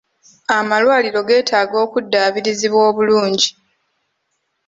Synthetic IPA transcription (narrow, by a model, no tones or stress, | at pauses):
amalwaːlilo̞ɡe̞ːtʰaːɡo̞ːkudːaːβiɾiziβwoːβuluːɲɟi